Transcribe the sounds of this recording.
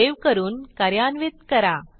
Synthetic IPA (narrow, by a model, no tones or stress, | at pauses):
eʋkəɾuːnkəɾjanʋit̪̚kəɾa